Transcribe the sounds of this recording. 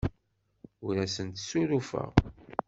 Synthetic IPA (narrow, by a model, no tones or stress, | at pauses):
uɾæsənt̪suɾufə̰ʁ